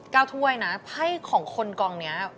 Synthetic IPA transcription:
kaː˧wt̪ʰu˧ɐəjna˦˥pʰa˥˩jkʰɔː˩˦ŋkʰo˧nkɔː˧ŋni˦˥ɐ

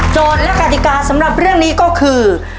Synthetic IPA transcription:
t͡ɕoː˧nlɛ˦˥kʰa˧˩t̪ʰi˨˩kaː˧sa˩˦mɾa˨˩p̚ɾɯ˥˩əŋniː˦˥kɔː˥˩kʰɯː˧

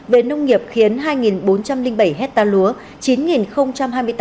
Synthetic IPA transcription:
ve˨˩nə˧wŋ͡mŋi˨˩əp̚xi˨˦ənɦaː˧jŋi˨˩nɓo˨˦nt͡ɕa˧mli˧ŋɓə˧˩jɦɛ˦˥t̚t̪aː˧lu˨˦ə | t͡ɕi˨˦nŋi˨˩nxə˧wŋ͡mt͡ɕa˧mɦaː˧jmɨ˧jt̪

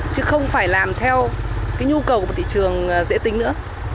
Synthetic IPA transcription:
t͡ɕɨ˨˦xə˧wŋ͡mfaː˧˩jlaː˨˩mt̪ʰɛ˧wkaː˨˦jɲu˧kə˨˩wkːt̪ʰḭ˧˨t͡ɕɨ˨˩əŋ˩zḛ˧˥t̪ï˨˦ŋ̟nɨ̰˧˥ə

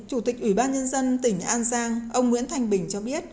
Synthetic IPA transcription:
t͡ɕu˧˩t̪i˨˩k̚ʔwi˧˩ɓaː˧nɲə˧nzə˧nt̪ï˨˩ŋ̟ʔaː˧nzaː˧ŋʔə˧wŋ͡mŋwḭ˧˥nt̪ʰa˧jŋ̟ɓï˨˩ŋ̟t͡ɕɔ˧ɓi˦˥ət̚

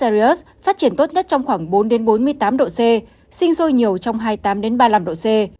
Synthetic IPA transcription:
a˧i˧˦˥s | faː˦˥t̚t͡ɕi˧˩ənt̪o˦˥t̚ɲə˦˥t̚t͡ɕɔ˧wŋ͡mxwaː˧˩ŋɓo˨˦nɗe˨˦nɓo˨˦nmɨ˧əjt̪aː˨˦mɗo̰˧˨se˧ | sï˧ŋ̟so˧jɲi˨˩əwt͡ɕɔ˧wŋ͡mɦaː˧jt̪aː˨˦mɗe˨˦nɓaː˧laː˧mɗo̰˧˨se˧

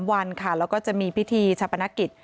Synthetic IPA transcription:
mwa˧nkʰa˥˩lɛː˦˥wkɔː˥˩t͡ɕa˨˩ʔmiː˧pʰi˦˥t̪ʰiː˧t͡ɕʰa˧pːa˧na˦˥ki˨˩t̪̚

